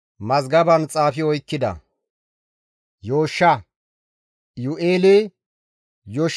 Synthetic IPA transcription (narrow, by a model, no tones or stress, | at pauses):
mɐzɡɐbɐnt͡sʼaːfɪɔjkːɪd̪ɐ̰ | joːʃːɐ | jʊʔeːle | joːʃ